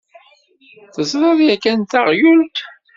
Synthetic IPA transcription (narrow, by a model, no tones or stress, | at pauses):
θəzɾˤɑðˤjækːænt̪aʁjult̪